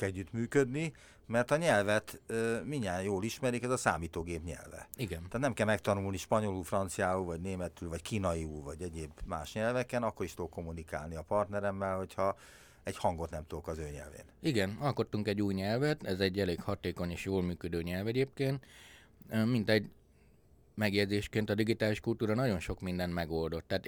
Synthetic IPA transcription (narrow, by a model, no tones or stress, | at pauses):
kɛɟːyt̪myːkød̪ni | mɛrt̪ɒɲɛlvɛt̪ːmiɲːaːnjoːliʃmɛɾikɛzɒsa̰ːmiːt̪oːɡeːpɲɛ̰lvɛ̰iɡɛnaːt̪nɛmkɛlmɛkt̪ɒnulniʃpɒɲo̞luːfrɒnt̪sijaːuːvɒɟneːmɛt̪ylvɒckiːnɒiuːvɒɟɛɟeːbma̰ːʃɲɛlvɛkɛnɒkːo̞ɾiʃt̪oːko̞mːunika̰ːlniɒpɒrt̪nɛɾɛmːɛlho̞cʰhɒ | ɛɟhɒŋɡot̪nɛmt̪oːkɒzøːɲɛ̰lvḛːniɡɛnɒlko̞t̪ːuŋkɛɟːuːjɲɛlvɛt̪ɛzɛɟːɛleːkhɒt̪eːko̞ɲeːʃjoːlmyːkød̪øːɲɛlvɛɟeːp̚keːnt̪ | mint̪ɛɟ | mɛɡjɛɟdzeːʃkeːnt̪ɒd̪iɡit̪aːliʃkult̪uːɾɒnɒɟo̞nʃo̞kmind̪ɛnmɛɡo̞ld̪o̞t̪ːaːt̪